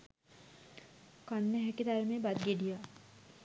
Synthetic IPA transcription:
kanːeɦɛkit̪aɾmebad̪̚ɡeɖija

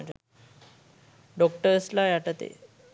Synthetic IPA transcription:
d͡ʑa̰ | ɖɔk̚ʈəɾəslajaʈət̪ḛ

